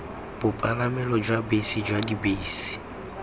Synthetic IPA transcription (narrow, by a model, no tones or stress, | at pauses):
b̥ʊpʼalamɛlɔd͡ʒwabesid͡ʒwadibeːsi̥